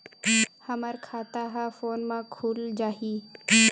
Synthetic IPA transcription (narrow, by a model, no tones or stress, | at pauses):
həməɾkʰaːt̪aɦafoːnmãkʰuːld͡ʒaːɦiː